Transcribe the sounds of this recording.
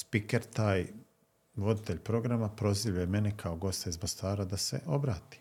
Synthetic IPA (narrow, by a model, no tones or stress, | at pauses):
spikeɾt̪aːj | ʋo̞d̪it̪e̞ʎʲpɾo̞ɡɾamapɾo̞ziʋjajeme̞nekʰao̞ɡo̞st̪aizmost̪aːɾad̪ase̞̰ʔo̞bɾaːt̪i̥